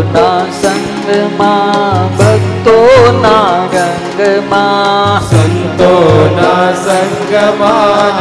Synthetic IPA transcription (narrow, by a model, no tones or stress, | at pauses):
nasɐŋɡəmaːbʱɐɡt̪oːnaːɡɐŋɡəmaːsɐnt̪oːnasɐŋɡɐma